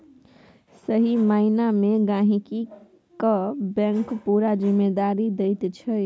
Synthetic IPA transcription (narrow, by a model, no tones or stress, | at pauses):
səɦimainameɡãɦiki | kəbə̃ŋkpuɾad͡ʒimːed̪aɾid̪ejt̪t͡ʃʰə